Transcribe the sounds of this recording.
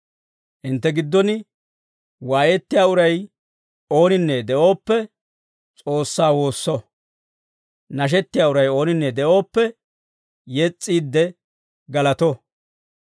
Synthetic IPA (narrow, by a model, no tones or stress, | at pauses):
ʔɪnt̪ːɛɡɪd̪ːɔnɪ | waːjɛt̪ːɪjaːʊɾɐj | o̞ːnɪnːɛd̪ɛʔo̞ːpːɛ | t͡sʼo̞ːsːaːwo̞ːsːɔ | nɐʃ̬ɛt̪ːɪjaːʊɾɐjo̞ːnɪnːɛd̪ɛʔo̞ːpːɛ | jɛt͡sʼːiːd̪ːɛ | ɡɐlɐt̪ɔ